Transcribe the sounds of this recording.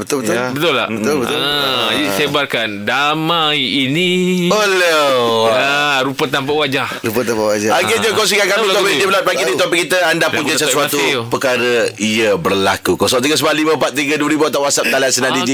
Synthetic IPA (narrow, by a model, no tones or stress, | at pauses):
bət̪bət̪bət̪ʊla̰bəʊə | sebarkandamãjiniolelaɾupət̪ampawad͡ʒahɾupət̪ampawad͡ʒaakeʔd͡ʒukɔs̬iɡakamiɔbid̪ibəlaat̪̚bakidit̪ɔap̬ikit̪əandapuɲd͡ʒasəswat̪uopəkaɾəiəbərlakukɔsɔ̃t̪iɡəsəmalimə̃pat̪̚ːiɡəduəɾibuat̪awasap̚t̪aliansənãndid͡ʒi